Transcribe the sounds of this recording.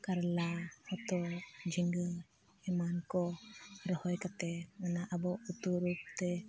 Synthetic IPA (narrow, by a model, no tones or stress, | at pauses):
kaɾlahɔt̪ɔd͡ʒiŋɡə | ɛmankɔɾɔhɔjkat̪ɛmanaʔabɔut̪uɾup̚t̪ɛ